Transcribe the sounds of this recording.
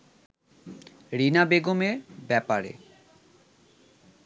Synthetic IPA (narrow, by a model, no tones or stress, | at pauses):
ɾinabeɡomeɾbɛpaɾḛ